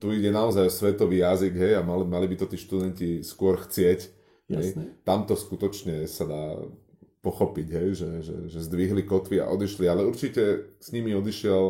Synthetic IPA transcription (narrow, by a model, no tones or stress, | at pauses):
t̪uiɟɛnaɔzajɔsʋɛt̪ɔʋiːjaziɡɦɛjamalimalibit̪ɔt̪iːʃt̪ud̪ɛnciskʊɔɾxt͡sɪɛc | ɦɛjt̪amt̪ɔskut̪ɔt͡ʃɲɛsad̪aː | pɔxɔpiɟɦɛjʒɛʒɛ̰ʒɛzd̪ʋiɦlikɔt̪ʋia̰ʔɔd̪iʃlialɛuɾt͡ʃicɛsɲimiɔd̪iʃɪɛl